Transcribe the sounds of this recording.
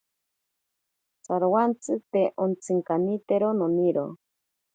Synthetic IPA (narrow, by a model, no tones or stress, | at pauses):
t͡saɾwant͡sɨt̪eʔont͡sɨŋkanit̪eɾononiɾo̰